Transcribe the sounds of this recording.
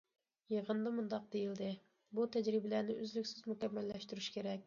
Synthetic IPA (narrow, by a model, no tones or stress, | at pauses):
jeʁənd̪ɑmund̪ɑq̚d̪ejild̪ɪ | but̪ʰɛd͡ʒɾɪbɪlænɪʔyzlykʲsɪzmukʲɛmːælːɛʃt̪yɾyʃkʲʰeɾɛk̚ʲ